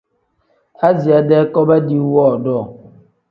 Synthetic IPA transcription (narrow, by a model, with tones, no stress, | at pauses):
a˦zi˨a˨dɛ˦kɔ˦ba˦di˦wɔː˦˨dɔ˦˨